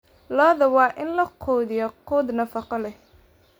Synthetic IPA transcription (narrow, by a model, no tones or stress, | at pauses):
lɔːðɐwɑːʔɪnlɐqʰɔːðɪjɔqʰʊːd̪nɐfɑqɔlɛh